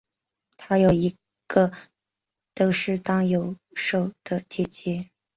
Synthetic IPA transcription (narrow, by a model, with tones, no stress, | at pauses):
t̪ʰa˥jo˨˩ʊi˧˥ | ɡ̥ə˧ | t̪o˥ʊʂɻ̩˥˩t̪ɑ˥ŋjo˨˥ʊ | ʂo˨˩ʊd̪̥ə˨t͡ɕjɛ˥t͡ɕjɛ˧˥